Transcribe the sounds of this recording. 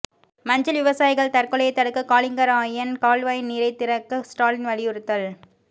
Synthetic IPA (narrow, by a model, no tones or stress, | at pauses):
mɐɲd͡ʒɐlʋɪʋɐsaːjɪɣɐɭt̪ɐrkɔɭɐjɐɪt̪ːɐɽɯkːɯkaːlɪŋɡɐɾaːjɐnkaːlʋaːjniːɾɐɪt̪ːɪɾɐkːɯsʈaːlɪnʋɐɭɪʊɾɯt̪ːɐl